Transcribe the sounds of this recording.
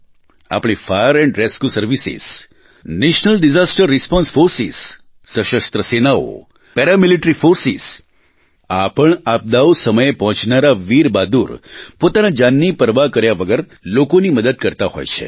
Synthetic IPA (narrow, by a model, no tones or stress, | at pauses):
a̰pɽ̃ifajəɾɛ̃ɳɖɾeskjusəɾʋisḭz̥ | neʃnəlɖizasʈəɾːispɔ̃nsfoɾsiz̥ | səʃəst̪ɾəsenao̰ | pɛɾamiliʈɾifoɾsiz̥ | apəɳap̚d̪aosəməjepɔɦɔ̃t͡ʃnaɾaʋiɾbad̪uɾpot̪anad͡ʒanːipəɾʋakəɾjaʋəɡəɾ | lokoniməd̪əd̪̚kəɾt̪aho̰jt͡ʃʰḛ